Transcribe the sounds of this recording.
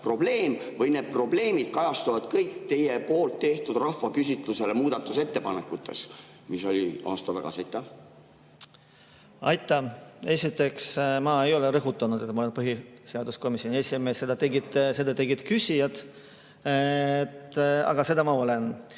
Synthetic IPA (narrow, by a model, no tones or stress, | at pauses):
pro̞b̥le̞ːmvɤjned̪̥̚pro̞ble̞ːmid̪̥̚kɑjɑst̪uvɑd̪̥kɤjkːt̪e̞jepo̞ːlt̪ːe̞ht̪ud̪̥rɑhvɑkysʲit̪luselemuːd̪̥ɑt̪ːˑuse̞t̪ːe̞pɑnekːˑut̪ːe̞̰s | miso̞lʲiɑ̰ːst̪ɑt̪ɑɡ̥ɑ̰siɑjt̪ːˑɑ | ɑ̰jt̪ːˑɑe̞sʲit̪ːˑe̞ksmɑe̞jo̞leɾɤɦut̪ːˑɑnud̪̥et̪mɑoe̞npɤɦiseɑd̪usko̞misjo̞nʲiesʲime̞ːsːe̞d̪̥ɑt̪e̞ɡid̪̥se̞d̪ɑt̪e̞ɡid̪̥kysʲijɑd̪̥ | t̪ɑ̰ɡ̥ɑse̞d̪̥ɑmɑo̞le̞n